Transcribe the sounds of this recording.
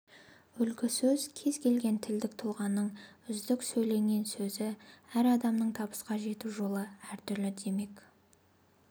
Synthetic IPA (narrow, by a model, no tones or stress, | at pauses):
ʏlkʲɪsɵzkʲʰe̞zkʲʰe̞lɡʲe̞nt̪ʰɪld̪ɪk̚t̪ʰʊlˠʁɑnːəɴʏzd̪ɪksɵjle̞ŋɡʲe̞nsɵzɪæɾɑd̪ɑmnəɴt̪ʰɑbə̥sqɑʒe̞t̪uʒo̞lˠəæɾt̪ʰʏɾlɪd̪e̞me̞k